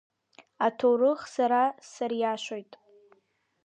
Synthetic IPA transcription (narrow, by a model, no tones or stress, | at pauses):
atʰorɨχsaɾasaɾjaʃʷojtʼ